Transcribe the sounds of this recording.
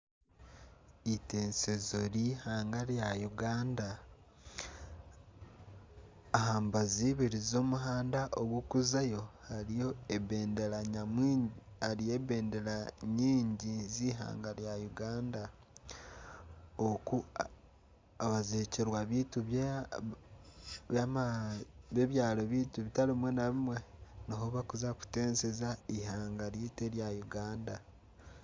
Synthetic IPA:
iteːnsezoɾihaːŋɡaɾjajuɡaːnda | ɦaːmbaziβiɾizo̞ːmuɦaːndaʔoɡwukuzajo̞haɾijo̞ebeːndeɾaɲam | haɾijebeːndeɾaɲiːɲɟiziɦa̰ːŋɡaɾjajuɡaːnda | oku | aβazeːceɾwaβiːtuβ | βamaβeβjaːlo̞βiːtuβitaɾimwe̞naβimwe̞noɦoβakuzaku̥teːnsezaihaːŋɡaɾjiteɾjajuɡaːnda

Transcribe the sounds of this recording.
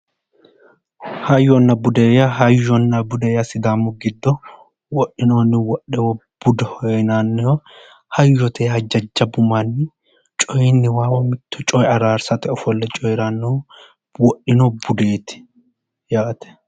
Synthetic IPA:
hɐjːɔnːɐbʊd̪ɛjɐɦɐjɔnːɐbʊd̪ɛjɐsɪd̪aːmːʊɡɪd̪ːɔ | wɔʔɪnoːnːɪwɔɗɛwɔb̥ʊd̪ɛhɔnaːnːɛhɔ | hɐjːɔt̪ʰeːhɐd͡ʒɐd͡ʒːɐbʊmanːɪ | t͡ʃʼɔjɪnːɪwaːwɔmɪt̪ʰːɔt͡ʃʼɔjɐɾaːɾsɐt̪ɛɔfɔlːɛt͡ʃʼɔjɾanːɔ | wɔʔɪnobʊd̪eːt̪ɪ̥ | jaːt̪ɛ̥

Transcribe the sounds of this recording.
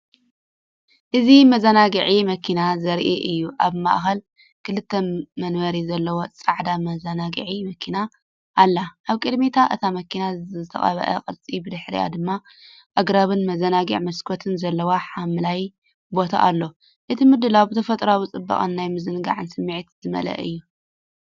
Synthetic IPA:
ʔɨzimɐzɐnaɡɨʕimɐkʰinazɐɾʔiʔɨjːuʔaβma̰ʔxɐl | kʰɨlɨt̪ʰːɐmɐnwɐɾizɐlːɐwot͡sʼaʕd̪amɐzɐnaɡɨ̰ʕimɐkʰina | ʔːlːaʔaβkʼɨd̪mit̪ʰaʔɨ̰t̪ʰamɐkʰinat̪ʰɐ̰χʼɐ̰βɐ̰ʔɐ̰qʼɨlt͡sʼibɨd̪ɨħɾḭja̰d̪ɨmːa | ʔɐɡɾaβɨnmɐzɐnaɡḭʕmɐskʰot̪ʰɨnzɐlːɐwaħamɨlaj | bo̞t̪ʰa̰ʔa̰lːo | ʔɨt̪ʰimɨd̪ːɨlawbɨt̪ʰɐfɐt̪ʼɾawit͡sʼɨbːɐ̰χʼɐ̰nːajmɨzɨnɡa̰ʕɨnsɨmːiʕit̪zɨmɐ̰lɐ̰ʔɨjːu

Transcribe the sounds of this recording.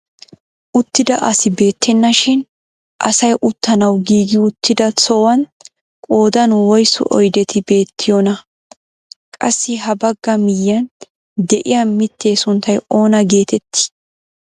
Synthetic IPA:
ʔʊt̪ːɪd̪ɐʔɐsɪbe̞ːt̪ʰːɛnːɐʃɪn | ʔɐ̰sɐjʔʊt̪ːɐnɐwɡiːɡɪʊt̪ːɪd̪ɐt͡sɔwɐn | kʼo̞ːd̪ɐnwɔjsɔ̰ʔɔjd̪ɛt̪ʰɪbe̞ːt̪ʰːɪjɔnɐ | kʼɐsːɪɦɐbɐɡːɐmɪjːɐn | d̪ɛʔɪjɐmɪt̪ːe̞ːsʊnt̪ːɐjo̞ːnɐɡe̞ːt̪ɛt̪ːɪ̥

